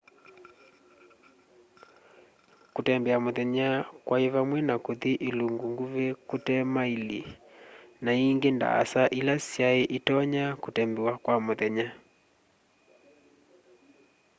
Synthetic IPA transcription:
kotɛmbɛamoðɛɲakwʔaeβamwɛnakoðiʔeluŋɡuŋɡuβekotɛmailḭ | naiŋɡenda̰a̰saʔilasjaeʔitɔɲakotɛmbɛwakwamoðɛɲa

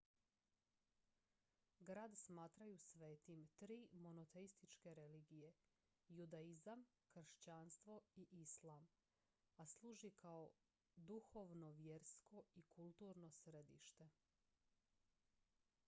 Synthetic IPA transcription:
ɡɾaːd̪smaːt̪ɾajusʋe̞ːt̪imt̪ɾiːmo̞not̪eist̪it͡ʃkeɾe̞liːɡije | jud̪aizam | kr̩ʃt͡ɕanst̪ʋo̞iʔislˠaːm | aslˠuːʒikʰao | d̪uxo̞ːʋno̞ʋje̞ɾsko̞ikʰulˠt̪uːɾno̞sɾed̪ḭːʃt̪e̞

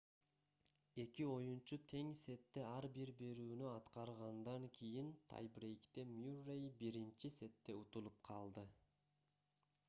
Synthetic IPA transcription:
e̞kio̞junt͡ʃut̪ʰe̞ŋse̞t̪ːe̞ɑɾbiɾbe̞ɾyːnyɑt̪qɑɾʁɑnd̪ɑŋkʲʰijint̪ʰa̰jbrejkt̪emjurejbiɾint͡ʃise̞t̪ːe̞ut̪ulˠup̚qʰɑlˠd̪ɯ

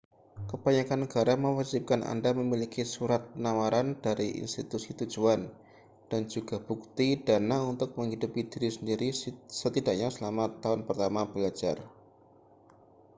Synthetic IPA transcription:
kəbaɲakanːəɡ̥aɾaməwad͡ʒip̚kanʔa̰ndaməmilikisuɾat̪̚pənawaɾand̥aɾiʔḭnst̪it̪usit̪u̥d͡ʒuan | d̥and͡ʒuɡab̥uk̚t̪id̥anaunt̪ʊk̚məŋɦidupid̥iɾisəndiɾisət̪idaʔɲasəlamat̪aʊnpərt̪amab̥əlad͡ʒa̰r

